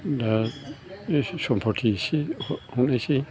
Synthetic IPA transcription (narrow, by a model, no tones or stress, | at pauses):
da | sɔmpʰɔʈʰisihũnesi